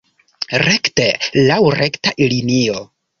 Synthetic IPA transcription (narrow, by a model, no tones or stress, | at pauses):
ɾektelawɾektaʔilinio